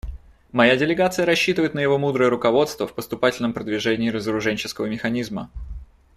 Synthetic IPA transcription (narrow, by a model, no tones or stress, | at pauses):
mɐjadʲɪlʲɪɡat̪sɨjəɾɐɕːit̪ɨvəɪt̪nəjɪvo̞mud̪ɾəjəɾʊkɐvo̞t̪st̪vəfpəst̪ʊpatʲɪlʲnəmpɾəd̪vʲɪʐɛnʲɪːɾəzəɾʊʐɛnʲt͡ɕɪ̥skəvəmʲɪxɐnʲizmə